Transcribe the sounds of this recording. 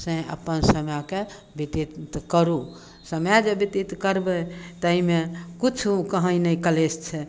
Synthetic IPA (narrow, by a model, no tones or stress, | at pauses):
sẽə̰pənsəmjake | bit̪it̪t̪kəɾu | səmjad͡ʒebit̪it̪kəɾbet̪əɦimekut͡ʃʰukəɦə̃inəikəlest͡ʃʰɛ